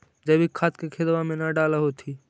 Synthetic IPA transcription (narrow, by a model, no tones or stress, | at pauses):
d͡ʒəbʱikʰːaːt̪kekʰed̪ʋamẽnaɖaːləɦot̪ʰi